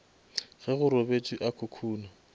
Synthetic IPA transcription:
ɣɛɣʊɾɔbet͡ʃʼiʔakʰʊkʰuːna

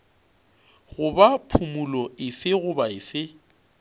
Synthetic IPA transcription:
ɣʊbapʰumulɔɪsɪɣʊbaɪsɪ

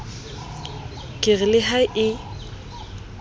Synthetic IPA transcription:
kʼɪɣɪlɪɦaɪʔɪ

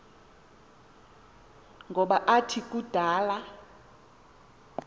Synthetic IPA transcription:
ŋɡʱɔɓaʔatʰikʼud̥ʱaːla

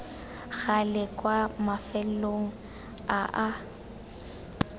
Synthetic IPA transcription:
ɣ̥alɪkʼwamafɛloŋ̩ | aʔa

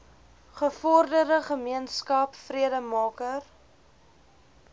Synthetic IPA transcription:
χəfɔrdərdəχəmiənskɐpfriədəmɑːkər

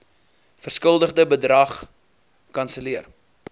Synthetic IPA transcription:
fərskəlˠdəχdəbədrɐχ | kɐnsəliər

